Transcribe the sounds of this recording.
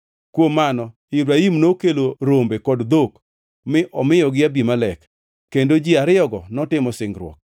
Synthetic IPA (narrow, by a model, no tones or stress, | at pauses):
kwomːanɔ | ibɾaimnokeloɾombekɔdd̪ok | mɪʔɔmɪjɔɡɪabimalɛkː | endod͡ʒiaɾɪɔɡɔnɔtɪmɔsɪŋɡɾwɔ̰k̚